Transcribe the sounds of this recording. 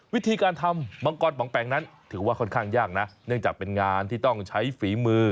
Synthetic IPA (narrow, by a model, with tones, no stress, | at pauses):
wi˦˥t̪ʰiː˧kaː˧nt̪ʰa˧mːɔ˧ŋkɔː˧nwʰɔː˨˩˦ŋpɛː˨˩˦ŋna˦˥nt̪ʰɯː˩˦waː˥˩kʰɔ˥˩nkʰaː˥˩ŋjaː˥˩k̚na˦˥ʔnɯ˥˩əŋt͡ɕaː˨˩k̚pe˧nŋaː˧nt̪ʰiː˥˩t̪ɔ˥˩ŋt͡ɕʰa˦˥jfiː˩˦mɯː˧